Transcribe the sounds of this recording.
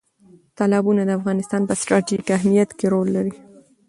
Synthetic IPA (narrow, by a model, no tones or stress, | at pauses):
t̪ɑlɑbunad̪əafɣɑnɪst̪ɑnpəsʈɾɑʈiʒikaɦmijat̪keɾolːaɾi